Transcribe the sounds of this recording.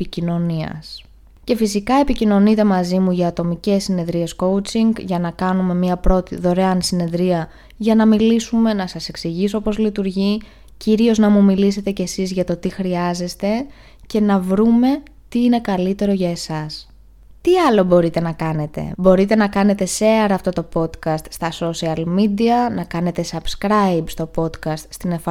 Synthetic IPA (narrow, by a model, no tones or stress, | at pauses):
picino̞niɐ̰s | ce̞fisikɐe̞picino̞nit̪e̞mɐzimuʝɐːt̪o̞mice̞sːine̞ðɾie̞sko̞wt͡siŋɡʝɐnɐkɐnume̞miɐpɾo̞t̪iðo̞ɾeɐnsine̞ðɾiɐ | ʝɐnɐmilisume̞nɐsɐse̞ksiʝis̬oo̞po̞zlit̪uɾʝi | ciɾio̞znɐmumilis̬e̞t̪e̞ce̞sizʝɐt̪o̞t̪ixɾiɐze̞st̪e̞ | ce̞nɐvɾume̞ | t̪iine̞kɐlit̪e̞ɾo̞ʝɐe̞sɐs | t̪iɐlo̞bo̞ɾit̪e̞nɐkɐne̞t̪e̞̰bo̞ɾit̪e̞nɐkɐne̞t̪e̞seɐɾɐːft̪o̞t̪o̞po̞t̪kɐst̪st̪ɐso̞siɐlmid̪iɐnɐkɐne̞t̪e̞sɐbskɾɐjbst̪o̞po̞d̪kɐst̪st̪inefɐ